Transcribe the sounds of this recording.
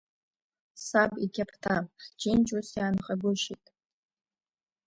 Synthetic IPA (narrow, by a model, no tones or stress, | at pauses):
sabikʲʰapʰtʰaħd͡ʒent͡ʃʼusjaːnχʼaɡʷʊʃitʼ